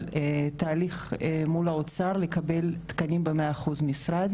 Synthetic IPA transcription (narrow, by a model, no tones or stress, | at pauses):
t̪aːliχmulaot͡saʁle̞kabe̞lt̪kanimbemeaːχuzmisʁad̪